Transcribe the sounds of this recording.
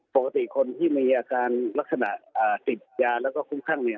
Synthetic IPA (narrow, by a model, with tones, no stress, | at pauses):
po˨˩ka˧t̪i˨˩˨kʰo˧nt̪ʰiː˥˩miː˧ʔaː˧kaː˧nla˦˥k̚sa˧na̰˨˩ʔʔaː˨˩t̪i˨˩t̪̚jaː˧lɛː˦˥˩wkɔː˥˩kʰu˥˩mkʰa˥˩ŋni˧˩˨